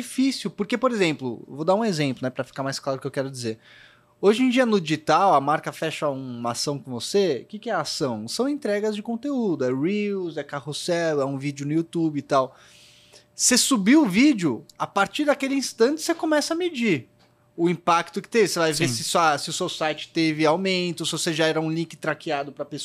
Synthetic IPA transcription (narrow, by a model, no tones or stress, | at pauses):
d͡ʒifisiʊwpʊɾkepoɾezẽmplʊḛwvod̪aũezẽmplʊnɛpɾɐfi̥kamajsklˠaɾʊkewkɛɾʊd͡ʒizeɾ | oʒẽd͡ʒiɐnʊd͡ʒiʒit̪awɐmaɾkɐfɛʃɐũmɐasɐ̃w̃kõvosḛkikɪɛasɐ̃w̃sɐ̃w̃ẽnt̪ɾɛɡɐzd͡ʒɪkõnt̪eud̪ʊɛɹiwzɛkahosɛlʊɛũvid͡ʒʊnʊjut̪ubɪt̪aw | sesubiwʊvid͡ʒʊapaɾt͡ʃiɾd̪ɐakelɪĩst̪ɐ̃nt͡ʃɪ̥sekõmɛsɐɐmed͡ʒiɾ | ʊĩpakt̪ʊkɪ̥t̪evɪsevajvesɪsasɪʊsewsajt͡ʃɪ̥t̪evɪawmẽnt̪ʊsɪvoseʒaɛɾɐũlĩkɪ̥t̪ɾakiad̪ʊpɾɐpes